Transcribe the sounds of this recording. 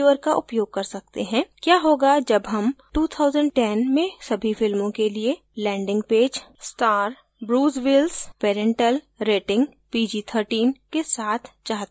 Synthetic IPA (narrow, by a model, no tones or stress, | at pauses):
ʋəɾkaʔʊpjoːɡ̚kɐɾsɐkt̪eɦɛ̃ːkjaːɦoːɡad͡ʒɐbɦɐmʈuːt̪ʰaːʊzə̃ɳɖ̚ʈɛnmẽsɐbʱifɪlmõkelie | lɛ̃ːɳɖɪ̃ŋɡpeːd͡ʒsʈaːɾ | bɾuːzʋɪlzpeːɾɛ̃ɳʈəl | ɾeːʈɪ̃ŋɡ | piːd͡ʒiːt̪ʰəɾʈiːnkesaːt̪ʰt͡ʃaːɦt̪